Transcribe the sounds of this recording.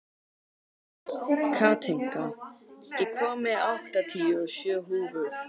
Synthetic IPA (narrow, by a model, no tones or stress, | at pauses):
kʰaːt̪ʰeŋ̥kajɛkʰvɔːmɪaht̪at̪ʰiɔsjœːɦuːvʏð̥